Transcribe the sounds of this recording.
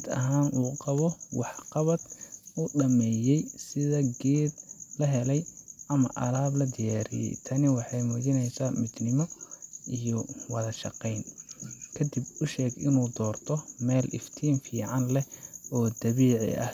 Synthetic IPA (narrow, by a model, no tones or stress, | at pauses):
d̪ɐ̰ɦaːnuːqɑβɔwɑħqɑβɐd̪uɖɐmɛːjɛjsɪðɐɡɛːd̪lɐɦɛlɛjʔɐmɐʔɐlaːblɐd̪ɪjaːɾɪ̰jɛ̰jt̪ʰɐnɪwɑħɑjmʊt͡ʃɪnɛjsaːmɪd̪nɪmɔijɔwɑðɐʃɑqɛjnkʰɐd̪ɪbʊʃɛːɡɪ̰nuːd̪ɔːrt̪ʰɔmɛːlʔɪ̰ft̪ʰiːnfiːʕɑnlɛɔːd̪ɐβiːʕɪ̰ʔɐ̰h